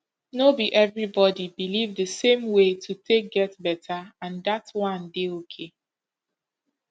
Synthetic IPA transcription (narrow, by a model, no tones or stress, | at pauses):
nobiʔɛvɹibɔdibilivdəsẽmwetʰutʰek̚ɡɛtbɛtʰəãndatwʌ̃ndeokʰe